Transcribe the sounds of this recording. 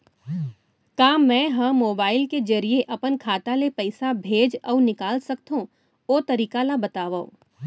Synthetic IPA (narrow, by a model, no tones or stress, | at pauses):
kaːmːɛ̃ɦɐ̃moːbaːɪlked͡ʒɐɾieʔɐpənkʰaːt̪alepɐɪsabʱeːd͡ʒɔːnɪkaːlsɐkt̪ɦõ | oːt̪ɐɾiːkalabɐt̪aːʋao̰